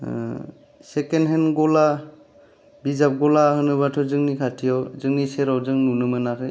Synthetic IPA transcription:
sekenɦenɡɔla | bizap̚ɡɔlahɯnɯβatʰɔzɯŋnikʰatʰijɔwzɯŋniseɾawzɯŋnunɯmɯnakʰɯj

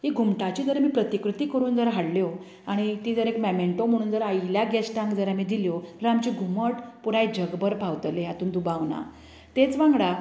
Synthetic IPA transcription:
ɦiːɡʱumʈat͡ɕiːd͡zəɾmiːpɾət̪ikɾut̪iːkəɾuːnd͡zəɾɦaɽljo | aɽ̃it̪iːd͡zəɾekmɛmeɳʈom̤əɽ̃uːnd͡zəɾailjaɡɛsʈãŋkd͡zəɾamiːd̪iljoɾamt͡ɕiːɡʱuməʈpuɾajd͡ʑəɡbəɾpʰawt̪leat̪uːnd̪ubawna̰ | t̪et͡sʋãŋɡɽa

